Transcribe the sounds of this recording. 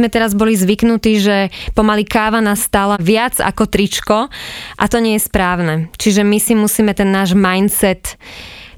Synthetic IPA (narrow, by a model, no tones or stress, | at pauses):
mɛt̪ɛɾazbɔlizʋiknut̪iːʒɛpɔmalikaːʋanasːt̪aːlaʋɪad͡za̰kɔt̪ɾit͡ʃkɔʔat̪ɔɲɪɛjɛspɾaːʊnɛt͡ʃiʒɛmisimusiːmɛt̪ɛnːaːʒmajnsɛt̪